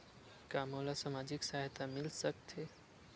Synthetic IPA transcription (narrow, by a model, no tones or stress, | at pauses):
kaːmoːlasamaːd͡ʑɪksaːɦt̪amɪlsəkt̪ʰɦeː